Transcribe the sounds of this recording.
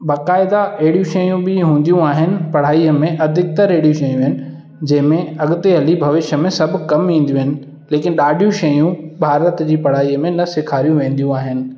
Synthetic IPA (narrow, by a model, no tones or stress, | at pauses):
baːkaːɪd̪aɛɦɪɽijũʃɐjũbɪɦũːn̆d̪jũaːɦɪnɪ̆pɐɽ̤aːiːəmẽʔɐd̪ʱɪk̚t̪ɐɾeːɽijũʃɐjũɦɪnɪ̆ | d͡ʑɐ̃ɦɪ̃mẽɐɠʊt̪eɦɐlibʱɐʋɪʃəmẽsɐb̆ʱkɐmĩːn̆d̪ijũɦɪnɪ̆ | leːkɪnɪ̆ɗaːɖʱjũʃɐjũbʱaːɾət̪d͡ʑiːpɐɽ̤aːiəmẽnɐsɪkʰaːɾijũʋẽːn̆d̪ijũaːɦɪnɪ̆